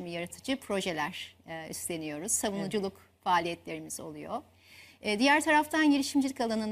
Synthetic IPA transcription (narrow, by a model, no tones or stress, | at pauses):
mijaɾat̪ʰɯd͡ʒɯpʰɾo̞ʒe̞lʲæɾ̥ːḭst̪lʲe̞nijo̞ɾuz̥ːavunud͡ʒulˠuk | faːlʲijɛt̪lʲe̞ɾimizo̞̰lˠujo̰ | ɛːd̪ijæɾt̪ʰaɾaft̪ʰanɟelʲiʃimd͡ʒilʲicalˠanɯn